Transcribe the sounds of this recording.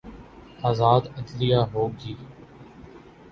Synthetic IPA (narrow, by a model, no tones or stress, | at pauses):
aːzaːd̪əd̪lɪjaːɦoːɡiː